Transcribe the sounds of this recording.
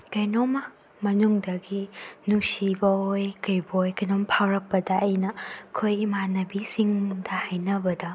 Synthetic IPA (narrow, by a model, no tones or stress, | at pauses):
kɐjnomɐ | mɐnuŋdɐɡinusibɐojkɐjbɐojkɐjnompʰawɾɐk̚pːɐdɐːjnɐkʰojmanɐbisiŋdɐhajnɐbɐdɐ